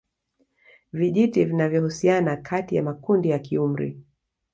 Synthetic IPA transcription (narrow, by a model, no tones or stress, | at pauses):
viʄitivinavjɔhusianakʰatija̰makundijakium̩ɾḭ